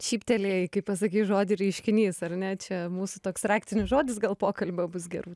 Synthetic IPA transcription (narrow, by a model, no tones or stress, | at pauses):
ʃʲiːpʲt̪ʲɛlʲeːkɐɪppɐs̬ɐkʲiːʒoːd̪ʲɪɾʲɛɪʃʲkʲɪnʲiːsɐrnʲɛt͡ʃʲɛmuːsʊt̪oːksrɑːkʲt̪ʲɪnʲʊsʒoːd̪ʲɪs̬ɡɐlˠpoːkɐlʲbʲobʊsɡʲɛɾuː